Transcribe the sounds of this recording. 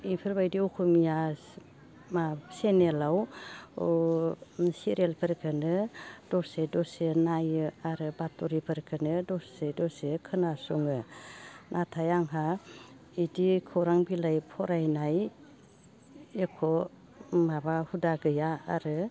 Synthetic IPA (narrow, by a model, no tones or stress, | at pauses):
ipʰɯɾbajdiukʰumija | masenelaw | siɾelpʰɯɾkʰɯnɯd̥ɔsedɔsenajɯaɾɯbatuɾipʰɯɾkʰɯnɯdɔsedɔsekʰɯnasuŋɯ | nʔatʰajaŋɦa | idikʰɯɾaŋbilajpʰɔɾajnaj | ekʰɔ | mabahudaɡɯjaa̰ɾɯ